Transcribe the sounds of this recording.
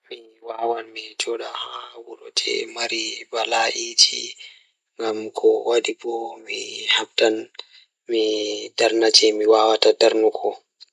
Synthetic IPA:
miwawanmid͡ʒɔɗahawuɾɔtʰɛ̰maɾibalaʔid͡ʒḭ | ŋɡamkʰɔwʔadibɔmihabtan | midaɾnat͡ʃɛmiwaːwatadaɾnukʰɔ

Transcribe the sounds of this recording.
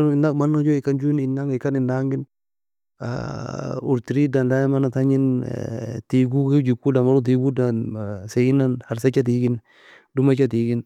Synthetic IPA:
inakmanːad͡ʒoɪkand͡ʒunɪnaŋikanɪnːaŋɡɪn | a̰ | uɾtiɾidanlajamanataɲin̰ | tiɡuɡed͡ʒikːudamaɾut̬iɡudanseɡinanhaɾs̬at͡ʃːat̬iːɡin | dumat͡ʃːatiɡin

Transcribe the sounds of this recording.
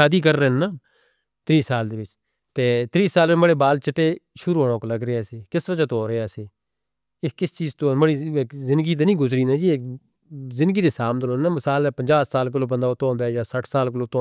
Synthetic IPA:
aːd̪iːk̬əɾːənːaː | t̪ɾiːsaːld̪eːʋɪt͡ʃ | t̪eːt̪ɾiːsaːlɪməɽeːbaːlt͡ʃəʈːeːʃʊɾuːɦoɽõːkoləɡɾəeaːseːkɪsʋəd͡ʒaːt̪oːɾeaːseː | ɪkɪst͡ʃiːzt̪oːməɽiːekzɪ̃nd̪ɡiːt̪eːnĩːɡʊzɾiːnaːd͡ʒiːeːk | zɪ̃nd̪əɡiːd̪eːsaːmnəloːnãːməsaːlɛːpəɲd͡ʒaːsaːlk̬ɪloːbənd̪aːot̪õːb̪ɛːjaːsəʈʰsaːlkəloːt̪oː

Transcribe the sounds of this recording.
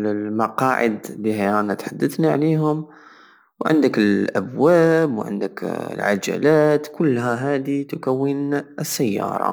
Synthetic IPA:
mɑqɑːʕɪ̰d̪liːhaaːnat̪ħad̪ːəθnaʕleːɦʊm | wʕɪ̰nd̪ɪkɪlʔabwaːbwʕɪ̰nd̪ɪklʕa̰d͡ʒa̰laːt̪kʊlːɦaɦaːd̪it̪ʊkawːinsːajːɑ̰ːɾˤɑ̰

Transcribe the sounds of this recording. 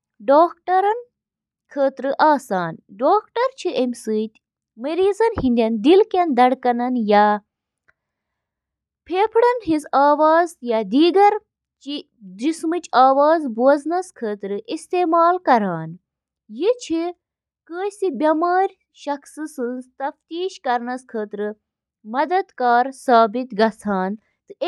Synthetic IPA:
ɖoːk̚ʈɐɾɐn | kʰəːt̪ɾɨʔaːsaːnɖoːkʈɐɾt͡ʃʰiʔemʲsɨːt̪ʲ | mɐɾiːzɐnhind̪ʲɐnd̪ilkʲɐnd̪ɐɽkɐnɐnjaː | pʰeːpʰɽɐnɦizaːʋaːzjad̪iːɡɐɾ | t͡ʃi | d̪ɾismɨt͡ʃaːʋaːzboːznɐskʰəːt̪ɾɨʔist̪eːmaːlkɐɾaːn | jit͡ʃʰi | kəːjsibʲɐmaːɾʲ | ʃɐksɨsɨnzt̪ɐft̪iːʃkɐɾnɐskʰəːt̪ɾɨ | mɐd̪ɐd̪kaːɾsaːbit̪ɡɐsʰaːn | t̪ɨe

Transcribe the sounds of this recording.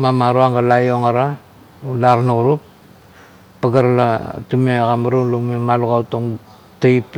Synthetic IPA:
mamaɾuaŋɡalajoŋaɾa | ulaɾnaɣuɾupː | aɡaɾlatumeɣamaɾulumemaluɣawtoŋ | taip

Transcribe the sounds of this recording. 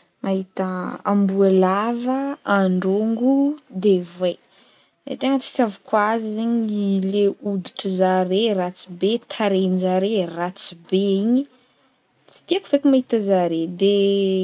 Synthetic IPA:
maɦit̪əa̰mbuelavəaɳɖ͡ʐoŋɡud̪eve | d̪ḛt̪eŋət͡si̥savikazizeɲileud̪i̥ʈ͡ʂəzaɾerat͡sibet̪ʰaɾenzaɾerat͡sibeiɲi | t͡si̥t̪iakuvekumaɦit̪əzaɾed̪e

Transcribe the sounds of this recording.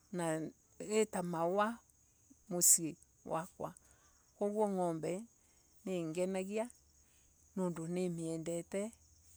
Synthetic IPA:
na | etamawa | mosie | wa̰kwa | koɣwɔŋɔmbɛ | neŋɡɛnaɣia | noːndonemeɛndɛtɛ

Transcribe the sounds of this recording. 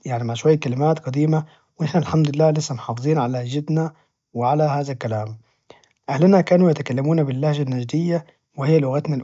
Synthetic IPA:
jaʕnimaʕʃwajːakalɪmaːt̪qɑd̪iːma | wɪnɪħnalħamd̪ʊɪlːaːlɪsːamħɑːfɨzˤiːnʕalad͡ʒɪd̪na | wɪʕalahaːðalkalaːm | ʔahlɪnakaːnujat̪akalːamuːnabɪlːahʒanːaʒd̪ɪjːa | wɪhɪjːalʊɣat̪nal

